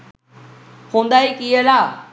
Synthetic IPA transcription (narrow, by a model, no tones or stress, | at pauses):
hũːnd̪aːikiəlaː